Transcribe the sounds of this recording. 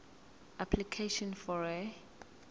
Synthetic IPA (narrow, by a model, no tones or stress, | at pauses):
ʔapʰlikʰeʃɔ̃nfɔɹɛ